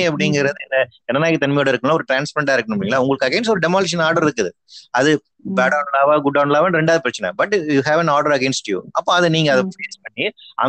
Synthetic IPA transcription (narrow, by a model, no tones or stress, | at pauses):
iɐpːɐɽɪŋɡɪɾɐðɯɛnːɐɛnːɐnaːkːit̪ɐnmɐjoːɽɐɪɾɯkːɯmaːɔɾɯʈɾaːnspɐɾɛɳɖaːɪɾɯkːɐnɯmɽiŋɡɐlaːʊŋɡɐɭɯkːɐɡɛːnsʈɔɾɯɖɛmaːleʃ̬ɐnaːɾɖɐɾɪɾɯkːɐðɯ | ɐðɯ | bɛːɽɐːnlaːʋaɡʊɖːɐːnlaːʋɐnɾɛɳɖaːðɯpɪɾɐt͡ʃːɐnɐ̰bɐʈjuɦɛːʋɛ̃naːɾɖɐɾɐɡɛːnsʈjṵʔɐpːõːɐðɯniːŋɡɐɐðɐpeːspɐɳːiʔɐ̰